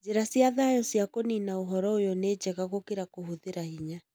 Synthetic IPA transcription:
d͡ʒeɾasiaðaːjɔsjakoninaoɦɔɾɔojɔneːd͡ʑɛɣaɣokeɾakohuðeɾahiɲa

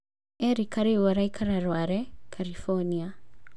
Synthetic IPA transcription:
ɛɾikaɾiwaɾajkʰaɾaɾwaɾɛkʰalifɔnia

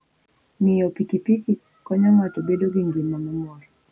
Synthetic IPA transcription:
nijɔpikipiki | kɔɲamatɔɓɛɗɔɡiŋɡimamɔmɔɾɔ

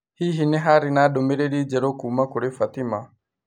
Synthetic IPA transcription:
hiɦinɛɦaɾinaɗɔmɛɾeɾid͡ʒɛɾɔkuːmakuɾefat̪ima

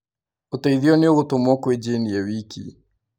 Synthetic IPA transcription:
otaiðiɔnioɣotomwɔkwed͡ʒeniawikḭ

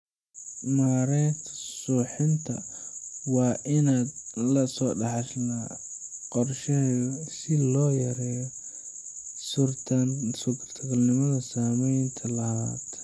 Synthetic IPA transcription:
maːɾɛːt̪ʰsuːħɪnt̪ʰɐ | wɑːʔɪnaːd̪lɐsɔːɖɑħɑʃnaːqɔrʃɐsɪlɔːjɐɾɛːjɔ | sʰ | sʊkʰrt̪ʰɐɣɐlnɪmɐðɐsaːmɛjnt̪ʰɐlɐhaːt̪

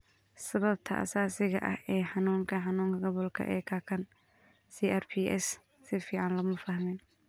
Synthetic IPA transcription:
sɐβɐb̚t̪ʰɐʔɐ̰saːsɪɣɐ̰ʔɐhʔɛːħɑnuːŋkʰɐħɑnuːŋkʰɐɡɔβɔlkʰɐ̰ʔɛ̰ːkʰaːkʰɐn | siːʔɛrpʰiʔɛ̰s | sɪfiːʕɑnlɐmɐfɐhmɛːn

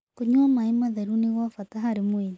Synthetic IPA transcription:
koɲwamaimaðaɾuniɣwafataɦaɾemwen

